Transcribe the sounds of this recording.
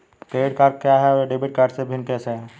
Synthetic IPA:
kɾeːɖkaːɾɖ̚kjaɦɛɖebiʈ̚kaːɾɖsebʱɪnkɛːseɦɛ

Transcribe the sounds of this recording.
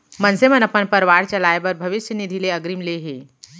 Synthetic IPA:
mɐnsemənɐpənpɐɾʋaːɾt͡ʃɐlaːebəɾbʱɐʋɪʃjənɪd̪ʱileɐɡɾimleɦeː

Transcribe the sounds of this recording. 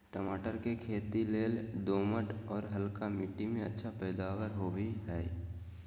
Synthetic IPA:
ʈəmaːʈəɾkekʰeːt̪ileːld̪oːməʈɔːɾɦəlkamɪʈimẽə̰tːʃʰapɛːd̪aːwəɾɦoːbiɦɛː

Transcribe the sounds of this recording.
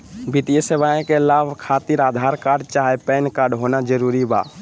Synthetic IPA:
bɪt̪ijəseʋaːẽkelaːʋkʰaːt̪ɪɾaːd̪ʱaːɾkaːɾɖt͡ʃaːɦepɛːnkaːɾɖɦoːnad͡ʒəɾuːɾiba̰ː

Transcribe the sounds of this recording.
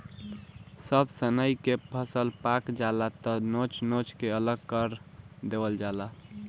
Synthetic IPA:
səbsənəjkepʰəsəlpakd͡ʒalat̪ɔnot͡ʃnot͡ʃkeələɡ̚kəɾd̪ebəld͡ʒala

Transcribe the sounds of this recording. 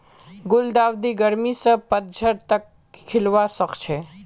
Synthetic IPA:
ɡʊld̪aːʋd̪iɡəɾmisəpəd̪̚d͡ʒʱəɾt̪əkʰː | ɪlʋasəkt͡ʃʰe

